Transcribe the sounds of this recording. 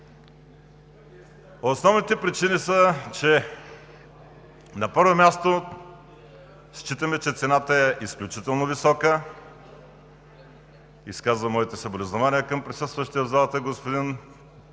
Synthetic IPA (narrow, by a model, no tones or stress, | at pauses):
osnɔvnit̪ɛpɾit͡ʃinisət͡ʃɛ | nɐpɤɾvomʲjast̪o | st͡ʃit̪əmɛt͡ʃɛt̪sɛnat̪əɛʔisklʲut͡ʃit̪ɛlˠnovisɔkə | iskazvəmɔit̪ɛsɐblɛznʊvaniəkəmpɾisɤst̪vəʃt̪iəvzalˠt̪əɡospod̪in